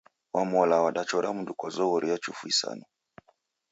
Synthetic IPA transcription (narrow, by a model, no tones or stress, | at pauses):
wʔamɔlawaɗat͡ʃɔɾamundukɔzɔɣɔɾijat͡ʃufuisa̰nɔ